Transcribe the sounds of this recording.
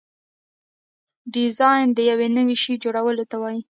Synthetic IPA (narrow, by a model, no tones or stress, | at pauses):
ɖɪzɑjnd̪əjawenəwiʃid͡ʒoɽawəlot̪awɑji